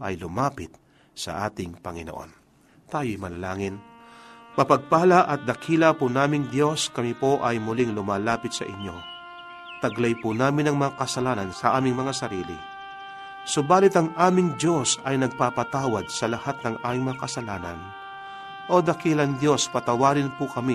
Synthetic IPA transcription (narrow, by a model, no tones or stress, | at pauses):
ʔɐ̰jlʊmaːpɪt̪̚ | sɐ̰ʔa̰ːt̪ɪŋpɐŋɪnoʔo̞̰n | t̪aːjojmɐnɐlaːŋɪn | pɐpɐɡ̚palaʔɐt̪̚d̪ɐkʰiːlɐpʊnaːmɪŋd̪jo̞skɐmipo̞ʔɐjmʊlɪŋlʊmaːlaːpɪt̪̚sɐ̰ʔɪɲjo̞ | t̪ɐɡlɐjpʊnaːmɪnɐŋmɐŋakɐsɐlaːnɐnsɐʔaːmɪŋmɐŋasɐɾiːlɪ̰ | sʊbaːlɪt̪ɐŋʔaːmɪŋd̪jo̞sɐjnɐɡ̚papɐt̪aːwɐd̪̚sɐlɐhat̪̚nɐŋʔaːmɪŋmɐŋakɐsɐlaːnɐ̰n | ʔo̞d̪ɐkilɐnd̪jo̞spɐt̪ɐwaːɾɪnpʊkɐmi